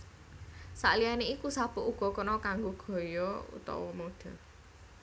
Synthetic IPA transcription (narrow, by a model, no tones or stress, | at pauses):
sa̰ʔlijaneikusab̥ʊʔuɡ̥ɔ̤kənɔkaŋɡoɡ̥ɔ̤jɔṵt̪ɔ̰wɔmoɖ̪̥ɔ̤